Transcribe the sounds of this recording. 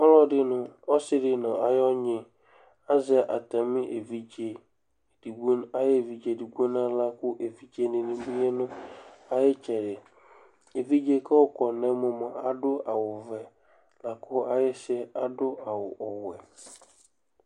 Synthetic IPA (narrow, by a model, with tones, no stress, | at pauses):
ɔ˦lɔ˦dɪ˦nʊ̃˦˨ɔ˦sɪ˦dɪ˦nɔ̃˨a˨jɔ˦ɲɪ̃˨ | a˦zɪ˦˨ʔa˨ta˨mɪ̃˦ʔe˨vi˦d͡ʒe˨ | d̥i˨ɡo˦na˦je˦˨vi˨d͡ʒe˨di˨ɡu˦o˦nã˦la˦kʊ˦ʔe˨vi˨d͡ʒe˦nɪ̃˨nɪ̃˦bi˦e˦nʊ̃˦a˨jɪ˦t͡ʃɛ˨ɾɪ˨ | e˨vi˦d͡ʒe˦kʰɛ˦ʊ˦kɔ˨nɛ̃˦mʊ̃˨mɔ̃˨a˨dʊ˦a˨wʊ˨vɛ˨ | la˨kʰʊ˦a˨jɪ˦sɛ˦a˦dʊ˦a˨wʊ˨ɔ˨wɛ˨